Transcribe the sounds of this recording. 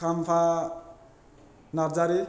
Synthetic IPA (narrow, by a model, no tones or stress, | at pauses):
ampʰa | naɾd͡zaɾi